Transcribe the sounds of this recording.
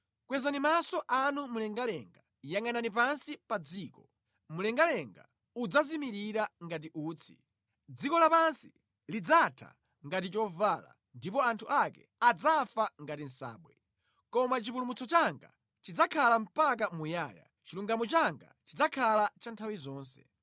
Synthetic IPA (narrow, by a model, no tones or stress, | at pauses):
kwɛzanimasɔʔanumulɛŋɡalɛŋɡa | jaŋananip̬ansipad͡ziːkɔ | mulɛŋɡalɛŋɡa̰ | ud͡zazimiɾiɾaŋɡat̬iʔuːt͡sʰi̥̰ | d͡zikɔlapansi | lid͡zatʰa̰ | ŋɡatit͡ʃɔvala̰ | ndipɔantʰuʔakɛ̰ | ad͡zafaŋɡatin̩sa̰ːɓwɛ | kɔmat͡ʃip̬ulumut͡sɔt͡ʃaŋɡa̰ | t͡ʃid͡zakʰalam̩pak̬amujaːja̰ | t͡ʃiluŋɡamɔt͡ʃaŋɡa̰t͡ʃid͡zakʰalat͡ʃantʰawizɔːnsɛ̰